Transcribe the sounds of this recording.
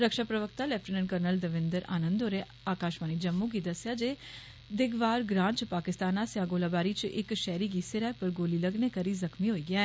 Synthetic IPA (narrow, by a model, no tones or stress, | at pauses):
ɾəkʃaːpɾəʋəkt̪aːlɛːpʰʈənənkəɾnəld̪əʋɪ̃nd̪əɾa̰ːnə̃nd̪oːɾeː | aːkaːʃmaːniːd͡ʒəmːũːkid̪əsjaːd͡ʒeː | d̪ɪɡʋaːɾɡɾãːnt͡ʃpaːkɪst̪aːnaːsɪjaːɡoːlaːbaːɾiːt͡ʃʔɪ̰kʃɛːɾiːɡiːsɪɾɛːpəɾɡoːliːləɡneːkəɾiːzəkʰmiːɦoːiːɡɪjaːɛ